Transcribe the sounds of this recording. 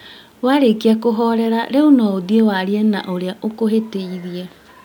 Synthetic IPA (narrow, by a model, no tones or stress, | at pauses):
waɾekiakoɦɔɾɛɾaɾeunɔoðiewaɾiɛnaʔoɾeaʔokoɦeteiðiɛ